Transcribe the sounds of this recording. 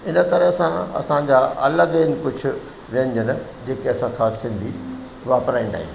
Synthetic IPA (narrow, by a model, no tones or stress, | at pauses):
ɪnə̆t̪ɐɾəɦsãɐ̰sãd͡ʑaːʔɐ̰ləɡɪnɪ̆kʊd͡ʑʱʊ̆ | ʋiə̃n̆d͡ʑənɪ̆d͡ʑeːkeɐsãxaːssɪ̃nd̪ʱi | ʋaːpɾaːĩnd̪a̰ːɦḭ̃